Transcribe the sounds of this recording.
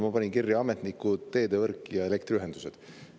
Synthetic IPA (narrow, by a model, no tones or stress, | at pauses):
mɑpɑnʲinkirːjɑɑmet̪nikːut̪ːe̞ːd̪evɤrkːˑjɑe̞le̞kt̪ɾiyɦend̪u̥sed̪̥